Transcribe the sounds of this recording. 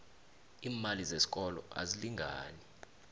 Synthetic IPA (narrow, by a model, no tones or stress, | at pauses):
iːmalizesi̥kʼɔlɔ̰ʔa̰ziliŋɡʱaːni